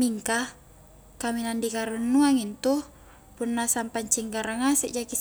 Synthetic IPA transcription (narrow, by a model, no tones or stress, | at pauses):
miŋka | kaminandikaɾunːuaŋint̪u | punːasampaɲt͡ʃiŋɡaɾaŋasɛʔd͡ʒakis